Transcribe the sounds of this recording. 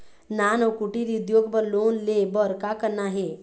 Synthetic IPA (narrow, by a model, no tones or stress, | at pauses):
naːnɔːkuʈiɾiʊd̪joːɡpəɾloːnlebɔɾkakəɾnaɦɛː